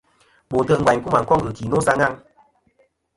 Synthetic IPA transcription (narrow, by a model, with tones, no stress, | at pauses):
ɓo˨tə˧˨ŋ̩˨ɡwa˨ɲ˦ku˦ma˨ŋ˨kɔ˦ŋɡə˨ki˨no˦sa˧ŋa˦ŋ